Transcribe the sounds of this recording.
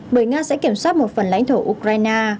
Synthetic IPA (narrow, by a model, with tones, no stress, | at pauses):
ɓəː˧˩jŋaː˧sɛ̰˧˥ki˧˩əmswaː˦˥t̚mo˨˩t̚fə˨˩nla̰˧˥jŋ̟t̪ʰo˧˩ʔu˧˩kɾaː˧jnaː˧